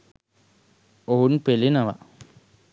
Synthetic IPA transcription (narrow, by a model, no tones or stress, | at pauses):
oɦunpelinaʋa̰